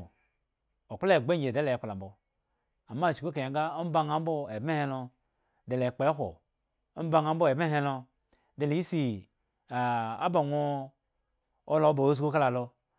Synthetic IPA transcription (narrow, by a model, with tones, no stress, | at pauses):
o˨k͡ple˦e˨ɡ͡be˦e˨e˦le˨k͡pla˨mbo˨ | a˨mːa˦˨t͡ʃi˨ko˦k̬e˨a˨˦ɡa˦o˦m̩˦ba˦ŋa˦m˦bo˦e˨˦e˦he˦lo˧ | de˨le˨k͡pe˨˦ɦʷo̰˨ | o˦ba˦ŋa˨˦m̩˦bo˦˨e˨be˦ɦe˦lo˧ | de˨le˨ji˦si˨ | a˨a̰˦ba˨ŋʷo˦ | o˦lo˨˦bo˨o˦s̬ɡu˦ka˦la˨lo˧